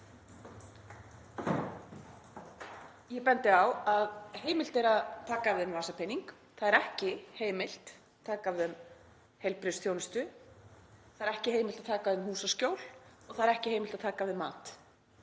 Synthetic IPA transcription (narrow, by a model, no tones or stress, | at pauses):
jɛpɛnt̪ɪawaðheːjmɪl̥t̪ɛɾaðt̪ʰaːkavɪðʏmvaːsapʰɪniŋk | θaðɛɾɛhcɪheːjmɪl̥t̪ʰː | aːkavɪðʏm | hejlpɾɪst̪θjownɪst̪ʏ | θaðɛɾɛhcɪheːjmɪlt̪aðt̪ʰaːkaðʏmɦuːsascowl̥ɔɣθaðɾɛhcɪheːjmɪlt̪að̥t̪ʰaːkavɪðma̰ːt̪